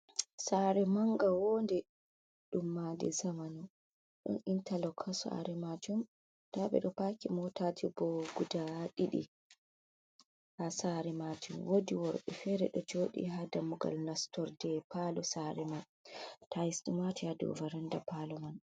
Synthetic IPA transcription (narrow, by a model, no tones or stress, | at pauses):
saɾɛmaŋɡawoːndɛ | ɗumːadɛ̰zamanɔ | ɗɔ̰nintalɔkʰasɔ̰a̰ɾɛmad͡ʒum | taɓɛ̰ɗɔpakimɔtad͡ʒibɔɡudaɗiɗḭ | hasaɾɛmad͡ʒumwodiwɔɾɗɛfɛɾɛɗɔd͡ʒoɗḭɦadamuɡa̰lnastɔɾdɛpalɔsaɾɛman | tʰaisɗumatʰiadṵṵvɛɾɛndapalɔman